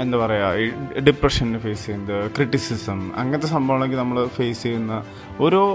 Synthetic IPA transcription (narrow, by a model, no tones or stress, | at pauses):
end̪ɐpɐrɐjaːiɖiprɐʂɐnindefe̞ːsejund̪ɨkriʈːisisɐmɐ̰ŋːɐnɐt̪ːesɐmbʱɐʋɐɳeŋɡinɐmːɐɭfe̞ːsejunːɐ | o̞ɾoː